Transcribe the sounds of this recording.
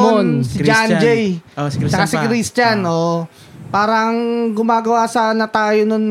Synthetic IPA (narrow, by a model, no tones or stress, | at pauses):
onsɪd͡ʒand͡ʒɛjt͡ʃɐkɐsikɾist͡ʃɐnʔo | paːɾɐŋɡʊmaːɡɐwasɐnɐt̪aːjonon